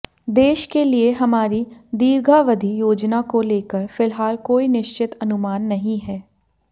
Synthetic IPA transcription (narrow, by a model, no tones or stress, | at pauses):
d̪eːʃkelieɦɐmaːɾid̪iːɾɡʱaʋɐd̪ʱijoːd͡ʒnakoleːkəɾfɪlɦaːlkoːinɪʃt͡ʃɪt̪ɐnʊmaːnːɐɦĩɦɛː